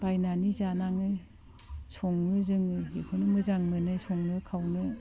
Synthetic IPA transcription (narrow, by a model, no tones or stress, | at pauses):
bajnanizanaŋɯ | soŋnɯzɯŋɯekʰɯnɯmɯzaŋmɯnɯsɔŋnɯkʰawnɯ